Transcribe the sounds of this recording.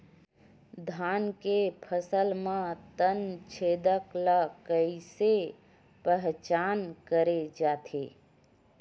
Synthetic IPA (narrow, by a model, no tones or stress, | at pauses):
d̪ʱaːnkepʰəsəlmãt̪ənt͡ʃʰeːd̪əklakəɪse | pəɦt͡ʃaːnkəɾed͡ʒaːt̪ʰḛː